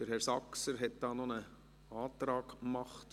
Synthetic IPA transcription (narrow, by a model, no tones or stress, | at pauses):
d̥əɾhɛɾsɑksəɾɦɛt̚d̥ɑːnɔnə | ɑːtɾɑːɡmɑχt